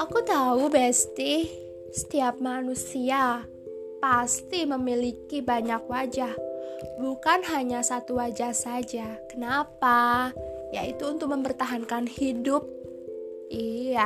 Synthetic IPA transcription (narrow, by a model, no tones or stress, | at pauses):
ʔakut̪aubɛst̪ih | sə̥t̪iap̚manusia | past̪iməmilikibaɲakwad͡ʒahbukanɦaɲasat̪uwad͡ʒahsad͡ʒakənapa | ja̰ḭt̪uːnt̪ʊk̚məmpərt̪aɦankanhidʊp̚ | ija